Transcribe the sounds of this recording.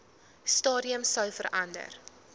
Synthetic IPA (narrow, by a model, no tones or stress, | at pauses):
stɑːɾiəmsœwfəɾʔɐndə̰r